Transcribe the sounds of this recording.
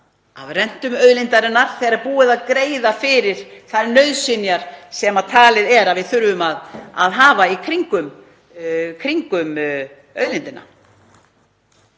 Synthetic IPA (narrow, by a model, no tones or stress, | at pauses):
a̰vrɛn̥t̪ʏmœðlint̪aɾɪnːaɾ̥θɛɣaɾaɾpuːɪðaðkɾeːjðafɪɾɪɾ̥θaɾnœɥðsɪnjaɾ̥sɛmat̪ʰaːlɪðɛɾavɪðθʏɾvʏmaða̰ðɦaːvaikʰɾiŋkʏm | kʰɾiŋkʏm | œ̰ðlint̪ɪna̰